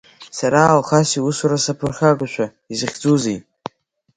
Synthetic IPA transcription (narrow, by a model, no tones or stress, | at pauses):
saɾaːlχasiusuɾasapʰɨrχʲaɡʷaʃʷʰa | izɨχʲd͡zuzej